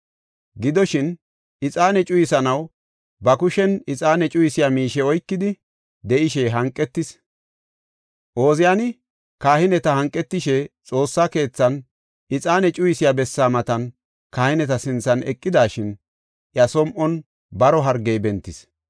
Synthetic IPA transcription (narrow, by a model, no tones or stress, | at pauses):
ɡɪd̪ɔʃɪn | ʔɪt͡sʼaːnɛt͡ʃʼʊjɪsɐnɐw | bɐkʊʃɛnɪt͡sʼaːnɛt͡ʃʼʊjɪsɪjamiːʃɛɔjkːɪd̪ɪ | d̪ɛʔɪʃɛɦɐŋkʼːɛt̪ːɪs | ʔo̞ːzɪjanɪ | kaːhɪnɛt̪ɐhɐŋkʼːɛt̪ːɪʃɛt͡sʼo̞ːsːake̞ːt͡sːɐn | ɪt͡sʼaːnɛt͡ʃʼʊjɪsɪjabɛsːaːmɐt̪ɐn | kaːhɪnɛt̪ɐsɪnt͡sːɐnɛ̰kʼːɪd̪aːʃɪn | ʔjɐsɔmʔɔn | bɐɾɔɦɐɾɡɛjbɛnt̪ːɪs